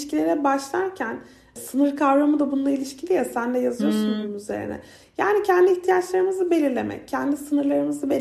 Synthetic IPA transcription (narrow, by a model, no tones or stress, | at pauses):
ʃcilʲeɾɛbaʃlˠaɾcʰæn | sɯnɯɾkʰavɾamɯd̪abunlˠailʲiʃcʰilʲijasænd̪ɛjazɯjo̞ɾsunbuumyze̞̰ɾḭnɛ̰ | jaːnicʰænd̪iiçt̪ʰijat͡ʃlˠaɾɯmɯzɯbe̞lʲiɾlʲe̞̰mɛ̰c̚cʰːænd̪isɯnɯɾlˠaɾɯmɯzɯbe